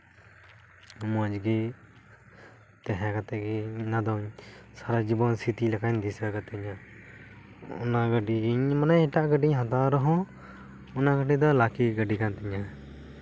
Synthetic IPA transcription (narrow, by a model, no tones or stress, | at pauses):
ɔmɔd͡ʒɡi | t̪ɛɦɛ̃kat̪ɛɡinad̪ɔɲsaɾad͡ʒibɔnsʰit̪ilakaɲd̪isəkat̪ɛɲa | ɔ̰naɡəɖiɡiɲmanajɛʈaʔɡəɖiɲɦãt̪aɾɔɦɔ̃ | ɔnaɡəɖid̪ɔlakiɡəɖikant̪ɛɲa